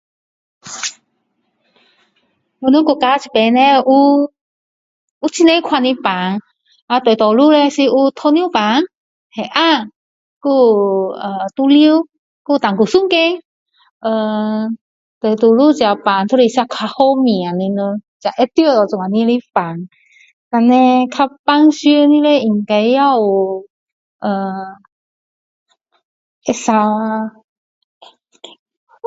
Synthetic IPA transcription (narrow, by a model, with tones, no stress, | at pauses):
o˧˨nə˧˦ku˧˨ka˧t͡ɕʰi˧˨pɛ˧˨nɛ˧˦˧ʔu˧ | ʔu˧˦t͡ɕʰi˧˦ne˧kʰa˧˨ni˧pa˨ŋ | ʔa˧t̪o˨t̪ɔ˨lu˧˨lɛ˧si˧ʔu˧t̪ʰo˧ni˧˨pa˨˦ŋ | hɛ˨ʔa˧ | ku˧˩ə˨t̪u˧li˧w | ku˧˨t̪a˨ŋku˨˩su˧˥˨ŋke˧ | ʔə˧˩ | t̪ə˨˧˩t̪u˧˩lu˥˨t͡ɕja˨˧˩pa˨˧˩nt̪ʰu˧˥˧i˧sa˧kʰa˧ho˧˦mĩ˨˩˨a˨nĩ˧nə˧t͡ɕa˨˧˩ʔɛ˦t̪i˧˨t̪ɔ˧˩t͡su˨ŋa˨˧nĩ˧˦li˧˦fa˨˦ŋ | t̪a˧nːɛ̃˧kʰa˧˥ppa˧˨ŋsi˧˦nĩ˧le˧˦ʔi˧˩ŋka˧jja˥˧˩w | ʔə˨˩ | ʔɛ˧sa˧